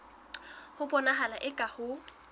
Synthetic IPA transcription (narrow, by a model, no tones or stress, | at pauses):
hʊpʼɔnaɦalaʔɪkʼahʊ